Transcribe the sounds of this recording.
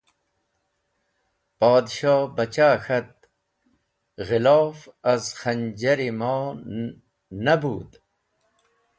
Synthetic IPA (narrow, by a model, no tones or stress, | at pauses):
paːd̪ʃɑːbɐt͡ɕaːxɐt̪̚ | ɣɪlɑːfɐzxɐnd͡ʑɐɾimɑː | nɐbuːd̪